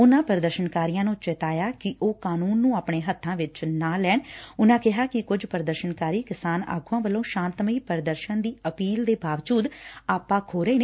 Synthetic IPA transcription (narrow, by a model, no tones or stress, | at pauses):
ʊnãːpəɾəd̪əɾʃənkaːɾijãːnũːt͡ʃɛt̪aːjaːkɪʔoːkaːnuːnːũːaːpɳeːɦət̪ʰːãːʋɪt͡ʃnãːlɛːɳʊnãːkɪɦaːkɪkʊd͡ʒpəɾəd̪əɾʃənkaːɾiːkɪsaːna̰ːɡuːãːʋəlːõːʃãːnt̪məiːpəɾd̪əɾʃənd̪iːəpiːld̪eːbaːʋd͡ʒuːd̪aːpãːkʰoːɾəeːneː